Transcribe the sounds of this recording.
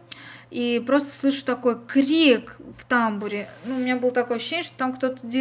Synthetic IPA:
ipɾo̞st̪ə̥slˠɨʂɨ̥t̪ɐko̞jkɾʲikft̪ambʊɾʲɪnuʊmʲɪnʲabɨlˠət̪ɐkojəɐɕːɕːenʲəʂt̪ot̪amkt̪o̞t̪ədʲe

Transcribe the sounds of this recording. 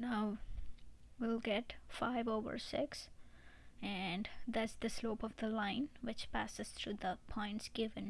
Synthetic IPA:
naʊ | wilɡɛʈfaɪvoʊʋə̰ɹsɪks | ɨ̃nd̪æʈsd̪ɨsloʊpʌvd̪əlãɪ̃nwɪt͡ʃpæ̰sɨz̥t̪ʰɾuːd̪əpʰɔ̃ɪ̃nʈsɡ̥ɪʋɨ̃n

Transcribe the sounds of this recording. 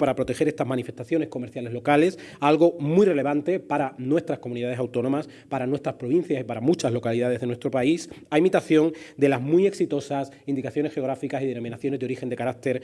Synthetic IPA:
paɾapɾo̞t̪e̞xe̞ɾest̪azmãnife̞st̪aθjo̞ne̞sko̞meɾθjale̞zlo̞kale̞s | alɣo̞mujre̞le̞βant̪e̞paɾanwe̞st̪ɾasko̞muniðaðesawt̪o̞nõ̞mas | paɾanwe̞st̪ɾaspɾo̞β̞ĩn̟θjasipaɾamut͡ʃazlo̞kaliðað̞eðenwe̞st̪ɾo̞pais | aemit̪aθjõ̞ŋd̪e̞lazmie̞ksit̪o̞sasind̪ikaθjo̞nesxe̞o̞ɣɾafikasið̞eno̞mĩnaθjo̞ne̞zðo̞ɾixe̞nd̪ekaɾak̚t̪e̞ɾ

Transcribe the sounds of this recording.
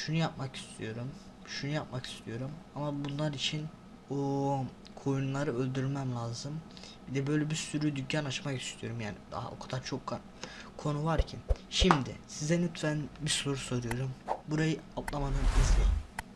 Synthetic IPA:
ʃunujap̚maki̥st̪ʰijo̞ɾum | ʃunujap̚maki̥st̪ʰijo̞ɾumamabunlˠaɾit͡ʃʰin | o | kʰo̞junlˠaɾɯø̞lʲd̪yɾlʲmæmlʲaːzɯm | bid̪ɛbø̞jlʲɛbiɾsyɾyd̪ycːanat͡ʃmaki̥st̪ʰijo̞ɾumjaːnid̪a̰a̰o̞̰kʰad̪aɾt͡ʃʰo̞kːa | kʰo̞nuvaɾcʰinʃimd̪ɪsizɛnyt̪ʰvænbiɾso̞ɾuso̞ɾujo̞ɾumbuɾajɯap̪lˠamanɯnizlʲeji

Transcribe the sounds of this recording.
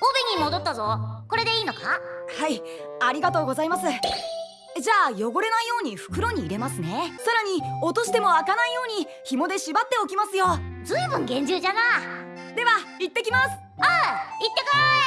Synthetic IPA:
obeɲ̟ʲimo̞d̪o̞t̪ːazo̞ko̞ɾe̞d̪e̞iːno̞kahai | aɾʲiɡat̪o̞ːɡo̞zaimasɨ | d͡ʑaːjo̞ɡo̞ɾe̞naijo̞ːɲ̟iɸɯ̟̥kɯ̟ɾo̞ɲ̟iːɾe̞masɨne̞saɾaɲ̟iot̪o̞ɕi̥t̪e̞mo̞akanaijo̞ːɲ̟i | çimo̞d̪e̞ɕibat̪ːe̞o̞kʲimasɨjo̞d͡zɨibɯ̟̃ŋɡẽ̞ɲ̟d͡ʑɨːd͡ʑana | d̪e̞βait̪ːe̞kʲimasɨ̥ait̪ːe̞ka

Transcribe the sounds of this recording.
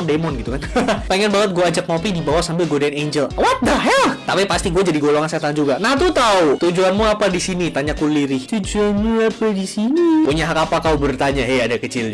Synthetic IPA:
demɔnɡit̪ukanpeŋɛnbaŋət̪̚ɡuaːd͡ʒak̚ŋopidibawasambɪlɡodaneɲd͡ʒəlwat̪̚daɦjat̪apipast̪iɡuad͡ʒadiɡoloŋanset̪and͡ʒuɡanaht̪ut̪aut̪ud͡ʒuanmuapadisinit̪aɲakuliɾɪht̪ud͡ʒuanmuapadisinipuɲaɦakapakaubərt̪aɲaɦejadakət͡ʃɪlɲa

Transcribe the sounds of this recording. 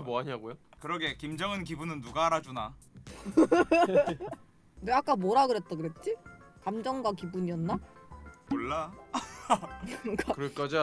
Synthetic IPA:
moaɲaɡojo | kɯɾʌɡe̞kimd͡ʑʌŋɯnkibunɯnːuɡaːɾad͡ʑuna | neak͈amʌɾaɡɯɾet̚t͈akɯɾe̞t̚t͡ɕ͈i | kamd͡ʑʌŋɡwakibuɲiʌnːamoɭːa | ɡakɯɾek͈ad͡ʑa

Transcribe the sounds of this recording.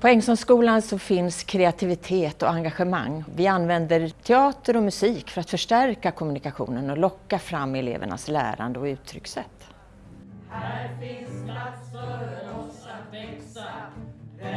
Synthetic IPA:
pʰɔɛŋːsɔmskuːlansɔfɪnskʰɾɛat̪ʰɪvɪt̪ʰeːt̪ɔ̰aŋɡaɧəma̰ŋːvɪanːvɛnd̪əɾt̪ʰɛɑːt̪əɾɔmɵsiːkfœɾat̪fœʂʈæɾkakʰɔmɵnɪkaɧṵːnənɔlɔkːafɾamːɛlḛːvə̰ɳa̰slæ̰ːɾa̰nd̪əɔʉ̟ːt̪ʰːɾʏ̰ksɛ̰t̪ː

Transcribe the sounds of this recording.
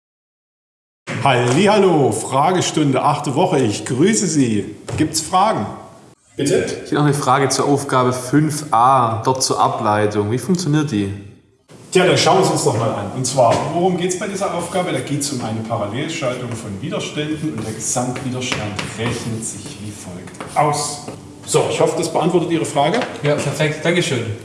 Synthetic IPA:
haɪlːiːhaloːfʁ̥aːɡəʃtʊndəʔaχtəvɔχəɪçɡ̥ʁyːsəziːɡ̥iːp̚tsfʁ̥aːɡŋ̩ | b̥ɪtə̥inɔχnəfʁ̥aːɡət͡suːɐʔaʊfɡ̥aːbəfʏnfʔaːd̥ɔt̚t͡suːɐʔa̰plaɪtʊŋviːfʊŋkt͡sjoniːɐt̚d̥iː | tʰjaʁəʃaʊənzʊnsnɔχmaːlʔa̰nʔʊntt͡sv̥aːɐvoʁʊmɡeːtsb̥aɪdiːzɐʔaʊfɡ̥aːbəɾaːɡeːtsʊmʔa̰ɪnəpʰaʁaleːlʃaltʊŋfɔnviːdɐʃtɛndn̩ʊntd̥eːɐɡəz̥amtv̥iːdɐʃtantʁɛçnətz̥ɪçv̥iːfɔlktʔaʊs | z̥oɪçhɔfədasb̥əʔantv̥ɔɐtətiːʁəfʁ̥aːɡəjaːpʰɛɐfɛk̚td̥aŋkəʃøːn

